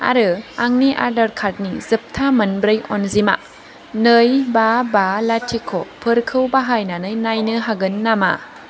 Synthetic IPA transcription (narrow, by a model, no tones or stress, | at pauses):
a̰ɾɯaŋniʔa̰ɾdɐɾkʰat̚nizɯp̚tʰamɐnbɾɯjɔnzima̰ | nɯjbabalatʰikʰopʰɯɾkʰɯwbaɦajnanɯjnajnɯɦaɡɯnːama̰